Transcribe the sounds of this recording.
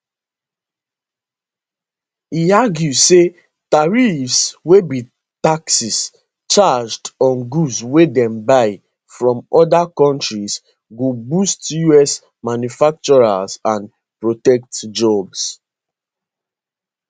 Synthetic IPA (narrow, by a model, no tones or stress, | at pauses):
iaɡjuse | taɹifswebi | taksis | t͡ʃad͡ʒdɔ̃nɡuswedɛ̃mbaɪ | fɹɔ̃mɔdakɔ̃ntɹis | ɡobustjuɛs | manjufak̚t͡ʃɔɹasãn | pɹotɛk̚td͡ʒɔbs